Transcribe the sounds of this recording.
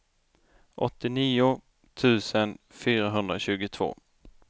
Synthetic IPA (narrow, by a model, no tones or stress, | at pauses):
ʔɔt̪ːɪniːʊ | t̪ʰʉ̟ːsənfyːɾaɦɵnd̪ɾaɕʉ̟ːɡʊt̪ʰv̥o̰ː